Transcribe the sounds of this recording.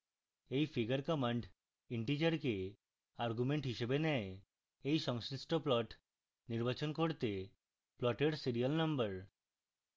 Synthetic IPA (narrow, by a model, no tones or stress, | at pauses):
ejfʰiɡəɾkɔmaɳɖ | iɳʈid͡ʑaɾke | aɾɡumeɳʈɦiʃebenɛe | ejʃɔŋsɾisʈoplɔʈ | niɾbat͡ɕonkoɾt̪e | plɔʈeɾsiɾialnʌmbəɾ